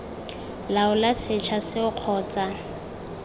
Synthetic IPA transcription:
laʊlasɪt͡ʃʰasɪʊq͡χʰɔːt͡sʼa

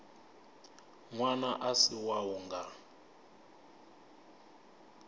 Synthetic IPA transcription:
ŋwanaʔasiwawuŋɡa

